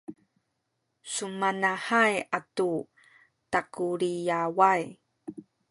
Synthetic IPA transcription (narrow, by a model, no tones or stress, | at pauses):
sumanahajatu | takuɾijawaj